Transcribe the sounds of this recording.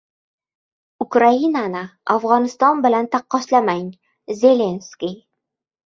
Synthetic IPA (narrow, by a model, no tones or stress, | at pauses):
ʊkɾainanɪafʁɒnɪst̪ɒnbɪlant̪ʰaqːɒʃlamaŋ | zʲelʲenskʲij